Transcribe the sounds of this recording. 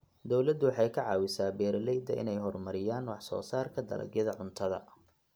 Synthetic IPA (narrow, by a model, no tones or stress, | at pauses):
d̪ɔwlɐd̪ʊwɑħɑjkʰɐʕɑːwɪsaːbɛːɾlɛjd̪ɐʔɪ̰nɛjɦɔrmɐɾɪjaːnwɑħsɔ̰ːsaːrkʰɐd̪ɐ̰lɐ̰ɡjɐðɐʕʊnt̪ʰɐðɐ̰